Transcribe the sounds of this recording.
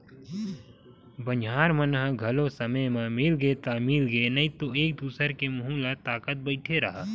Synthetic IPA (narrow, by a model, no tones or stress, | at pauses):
bɐnaːɾmənɦɡʱɐlosɐməmẽmɪlɡəet̪amɪlɡəenɐĩt̪oeːk̚d̪uːsəɾkemɐɦũːlat̪aːkət̪̚bɐɪʈʰeɾɐɦa